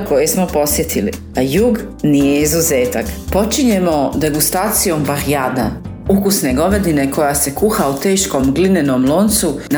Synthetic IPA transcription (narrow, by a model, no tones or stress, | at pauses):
ko̞jesmopo̞sje̞t̪ʰilḭ | ajuːɡnijeizuzeːt̪akpo̞t͡ʃiɲe̞mo̞d̪e̞ɡust̪aːt̪sijo̞mbaɾijaːd̪a | ukusne̞ɡo̞ʋe̞d̪ine̞ko̞jase̞kuxaut̪e̞ːʃko̞mɡlinenomlˠo̞ːnt̪sun